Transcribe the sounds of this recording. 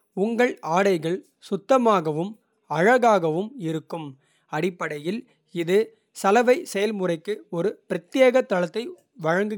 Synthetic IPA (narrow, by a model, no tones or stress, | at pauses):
ʊŋɡɐɭaːɽɐɪɣɐɭ | sʊt̪ːɐmaːɣɐʋɯm | ɐɻɐɣaːɣɐʋɯmɪɾɯkːɯm | ɐɽɪpːɐɽɐjɪl | ɪðɯ | sɐlɐʋɐɪsɛjɐlmʊrɐɪkːɯɔɾɯpɪɾɐt̪ɪjeːɣɐt̪ːɐlɐt̪ːɐɪ | ʋɐɻɐŋɡɯ